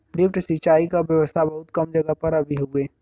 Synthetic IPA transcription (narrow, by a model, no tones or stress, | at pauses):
lɪpʈsit͡ʃaːikabjəʋəst̪ʰabɐɦʊt̪kɐmd͡ʒɐɡəpɐɾɐbʱiɦueː